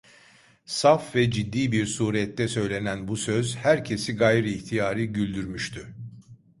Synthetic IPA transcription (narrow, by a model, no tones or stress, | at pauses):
safvɛd͡ʒid̪ːiːbiɾsuːɾɛt̪ʰːɛsø̞jlʲe̞nænbusø̞zhæɾcʰe̞siɡajɾɯːçt̪ʰijaːɾɯɟylʲd̪yɾmyʃt̪ʰy